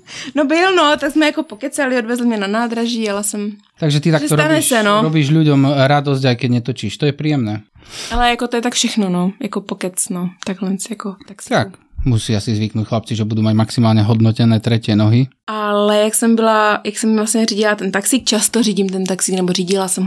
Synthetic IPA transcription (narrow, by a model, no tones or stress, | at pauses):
nobɪlnot̪aɡsmɛjakopokɛt͡salɪodvɛzlmɲɛnanaːd̪ɾaʒiːjalasɛm | t̪aɡʒɛt̪it̪akɛstɔɾt̪anɛsɛnoɾɔbiːʒʎuɟɔmɾad̪ɔzɟajkɛɟɲɛt̪ɔt͡ʃiːʃt̪ɔjɛpɾiːjɛmnɛː | ʔalɛjakot̪jɛt̪akfʃɛxnonojakopokɛt͡snot̪aɡɦlɛnsjakot̪akst̪akmusiasizʋiknuːcxlap̚t͡siʒɛbud̪uːmaɟmaksimaːlɲɛɦɔd̪nɔcɛnɛːt̪ɾɛcɪɛnɔɦiʔalɛjaksɛmbɪlajaksɛmvlasɲɛriːɟilat̪ɛnt̪aksiːk̚t͡ʃast̪oriːɟimt̪ɛnt̪aksiːknɛboriːɟɪlasɛmɦ